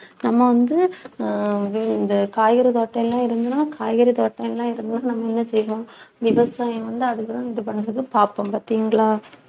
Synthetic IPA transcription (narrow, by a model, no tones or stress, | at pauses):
nɐmːɐʋɐnd̪ɯ | ʋɪnd̪ɐkaːjɣɐɾit̪oːʈːɐ̃ɛlːãːɪɾɯnd̪ɯnaːkʰaːjɣɐɾit̪oːʈːɐ̃ɛlːãːɪɾɯnd̪ɯnaːnɐmːɐɛnːɐsɛjːɐʋõːʋɪʋɐsaːjɐ̃mʋɐnd̪ɯɐðɯkːɯt̪ãːɪðɯp̬ɐɳːɐðɯkːɯpaːpɐmpɐɾt̪ːiːŋɡɐɭaː